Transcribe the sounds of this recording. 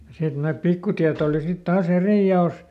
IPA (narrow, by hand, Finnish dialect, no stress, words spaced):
jɑ sit næmæt pikːutiæt oˑli sit tɑːs eriˑ jɑoˑs